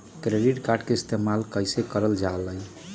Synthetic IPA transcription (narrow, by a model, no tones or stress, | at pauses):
kɾeɖiʈkaɾɖkeist̪emalkəjsekəɾəld͡ʒaləj